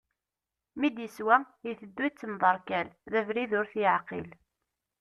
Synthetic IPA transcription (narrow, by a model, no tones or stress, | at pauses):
mid̪jəswæ | jiθəd̪ːuit͡sːəmðˤɑɾˤkælðævɾiðʊɾθjəʕqil